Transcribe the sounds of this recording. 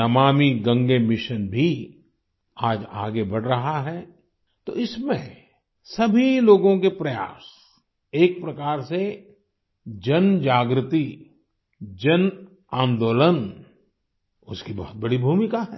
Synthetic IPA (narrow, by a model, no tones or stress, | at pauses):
ɐmaːmiɡɐ̃ŋɡemɪʃənbʱi | aːd͡ʒa̰ːɡebɐɽ̤ɾɐɦaɦɛː | t̪o̰ːɪsmẽ | sɐbʱiloːɡõkepɾɐja̰ːs | eːk̚pɾɐkaːɾse | d͡ʒɐnd͡ʒaːɡɾɪt̪i | d͡ʒɐn | ãːnd̪oːlən | ʊskibɔɦʊt̪̚bɐɽibʱuːmɪkaɦɛː